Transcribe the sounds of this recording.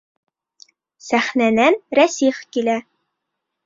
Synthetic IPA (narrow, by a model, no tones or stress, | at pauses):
sæχnænænɾæsiχkilæ